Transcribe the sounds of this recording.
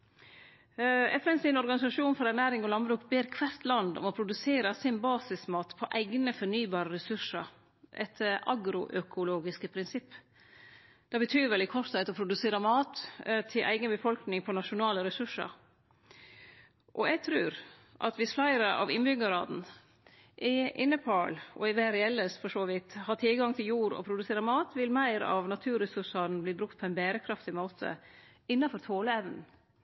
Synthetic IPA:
ɛt̪əɛnsɪnɔɾɡɑnɪsɑʂuːnfɔɾæɾnæːɾɪŋɔlɑnbɾʉːkbeːɾkʰʋæɾt̪lɑnd̪ɔ̰mɔpʰɾʊd̪ʉseːɾəsɪnbɑːsɪsmɑːt̪pʰɔʔæɪɡnəfɔnyːbɑːɾəɾɛsʉʂə̰ɾ | ʔɛ̰t̪ʔɑɡɾʊʔœkʰʊloːɡɪskəpʰɾɪnsɪpː | d̪̥ɛbət̪ʰyːɾʋɛlɪkʰɔʂt̪ʰæɪt̪ɔpʰɾʊd̪ʉseːɾəmɑːt̪t̪ʰɪlʔæ̰ɪɡənbəfɔlknɪŋpʰɔnɑʃʊnɑːləɾɛsʉʂə̰ɾ | ʔɔɛɡ̚t̪ʰɾʉːɾ | ʔɑ̰t̪ʋɪsflæɪɾəʔɑ̰ʋɪnbʏɡəɾɑːd̪n̩ | ʔɛʔɪnːəpʰɑːlʔɔ̰ɪʋæːɾɛɛlːəsfɔʂoːʋɪt̪hɑːt̪ʰɪlɡɑŋt̪ʰɪljuːɾɔ̰pʰɾʊd̪ʉseːɾəmɑːt̪ʋɪlmæɪɾ̰ɑ̰ʋnɑt̪ʰʉːɾɛsʉʂɑɾnblɪːbɾʉkt̪pʰɔæɪnbeːɾəkʰɾɑft̪ɪmoːt̪ʰə̰ | ɪnːɑfɔɾt̪ʰoːləɛʋnn̩

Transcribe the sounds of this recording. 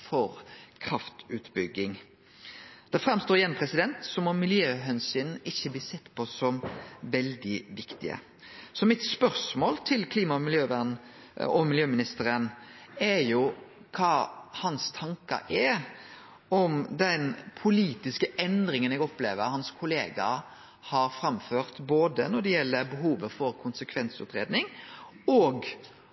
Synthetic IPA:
fɔɾkʰɾɑft̪ʉːt̪bʏɡːɪŋ | d̪̥ɛfɾɛmst̪oːɾɪjɛnpʰʁɛsɪd̪ɛnt̪sɔmɔmɪljøːɦɛnsyːnɪçːəbliːsɛt̪ːpʰɔsɔmʋɛld̪ɪʋɪkt̪ɪ̰ə̰ | sɔmɪt̪spœʁsmoːlt̪ʰɪlkʰliːmɑmɪljøːʋæn | ɔmɪljøːmɪnɪst̪əɾənɛɾjʊ | kʰɑːhɑnst̪ʰɑŋkɑ̰ʔɛ | ɔmd̪ɛnpʰʊliːt̪ɪskəʔɛnd̪ɾɪŋənɛɡɔpleːʋəɾhɑnskʰʊleːɡɑ̰ | hɑɾfɾɑmføːɾt̪boːd̪ənɔd̪ɛjɛlːəɾbəɦuːʋəfɔɾkʰʊnsəkʰʋɛnsʉ̰ːt̪ɾḛːd̪nɪŋɔːɡ

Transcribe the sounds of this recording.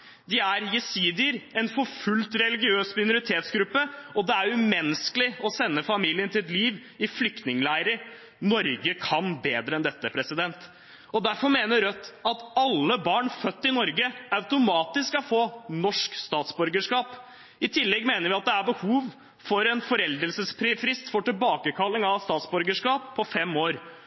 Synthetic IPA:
d̪ɪæɾjɛsiːd̪ɪəɾɛnfɔɾfʉlt̪ɾɛlɪɡɪøːsmɪnʊɾɪt̪ʰeːt̪sɡɾʉpːəɔd̪ɛæɾjʊmɛnəsklɪɔsɛnːəfɑmiːlɪənt̪ʰɪlɛt̪liːʋ | ɪflʏk̚t̪nɪŋlæɪɾə | nɔɾɡəkʰɑnbeːd̪ɾəɛnd̪ɛt̪ːəpʰɾɛsɪd̪ɛnt̪ | ɔd̪æɾfɔɾmeːnəɾœt̪ːɑt̪ɑlːəbɑːɳfœt̪ːɪnɔɾɡəɑʉt̪ʊmɑːt̪ɪsɑfoːnɔʂkst̪ɑːt̪sbʉɾɡəʂkɑːp | ɪt̪ʰɪlːɛɡmeːnəɾʋɪɑt̪̚d̪ɛæɾbəhuːʋ | fɔɾɛnfɔɾɛld̪əlsəsfɾɪfɾɪst̪fɔʈɪlbɑːkəkʰɑlːɪŋɑʋst̪ɑːt̪sbɔɾɡəʂkɑːpʰːɔfɛmːoːɾ

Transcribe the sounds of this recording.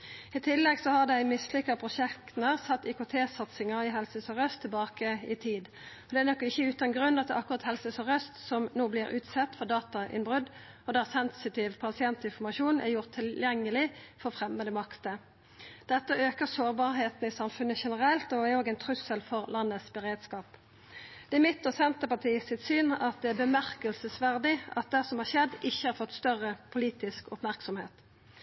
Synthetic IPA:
ɪt̪ʰɪlːɛɡsɔhɑʁd̪æɪmɪslɪkːəpʰʁʊʃɛk̪nəʁsɑt̪ːɪkʊt̪ʰeːsɑt̪sɪŋəʁɪɦɛlsəsɔʁœst̪ʰːɪlbɑːkəɪt̪ʰiːd̪ | ɔd̪ɛænɔkːɪçːəʉːt̪ɑnɡʁʉnːɑt̪d̪ɛʔɑkːʊʁɑt̪hɛlsəsɔʁœst̪sɔmnoːblɪɾʉːt̪sɛt̪ːfɔʁd̪ɑːt̪ɑʔɪ̰nbʁʉd̪ɔd̪æʁsɛnsɪt̪ɪːʋpʰɑsɪɛnt̪ɪnfɔʁmɑʃuːnʔæ̰ʁjʊʁt̪ʰːɪljɛŋːəlɪfɔʁfʁɛmːəd̪ɛmɑkt̪ə | d̪̥ɛt̪ːəøːkəʁsoːʁbɑːʁheːt̪n̩ɪsɑmfʉnːəʃɛnəʁɛlt̪ɔæoːɡæɪnt̪ʰʁʉsəlfɔʁlɑnːəsbəʁeːd̪skɑːp | d̪̥ɛæʁmɪt̪ːɔsɛnt̪əpɑʈʰiːsɪt̪syːnɑt̪̚d̪ɛæbəmæʁkəlsəsʋæʁd̪ɪʔɑ̰t̪̚d̪æsɔmhɑːʁʃɛd̪ːɪçːəhɑʁfɔt̪ːst̪œʁəpʰʊliːt̪ɪskʊ̰pmæʁksɔmheːt̪

